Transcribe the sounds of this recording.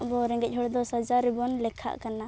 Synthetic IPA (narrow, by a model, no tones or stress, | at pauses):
bɔɾɛŋɡɛt̪̚ˀɦɔɽd̪ɔsad͡ʒaɾɛbɔnlɛkʰa̰ʔkana